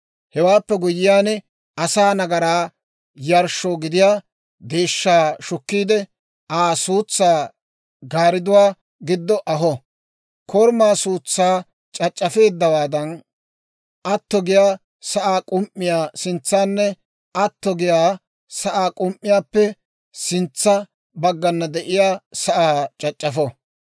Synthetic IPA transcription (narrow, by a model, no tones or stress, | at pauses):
hɛwaːpːɛɡʊjɪjaːnɛ | ɐsaːnɐɡɐɾaː | jɐɾʃoːɡɪd̪ɪjaː | d̪eːʃːaːʃʊkːiːd̪ɛ | aːsuːt͡sːaː | ɡaːɾɪd̪ʊwaː | ɡɪd̪ːɔʔɐɦɔ | kʰɔɾmaːsuːt͡sːaː | t͡ʃʼɐt͡ʃʼːɐfe̞ːd̪ːɐwaːd̪ɐn | ʔɐt̪ːɔɡɪjaː | sɐʔaːkʼʊmʔːɪjaːsɪnt͡sːaːnːɛ | ɐt̪ːɔɡɪjaː | sɐʔaːkʼʊmʔːɪjaːpːɛ | sɪnt͡sːɐ | bɐɡːɐnːɐd̪ɛʔɪjaːsɐʔaːt͡ʃʼɐt͡ʃʼːɐfɔ